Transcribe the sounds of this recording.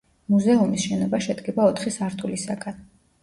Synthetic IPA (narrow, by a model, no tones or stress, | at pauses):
muzɛumisʃɛnɔbaʃɛd̪ɡɛbaɔt̪ʰχisaɾt̪ʼulisaɡan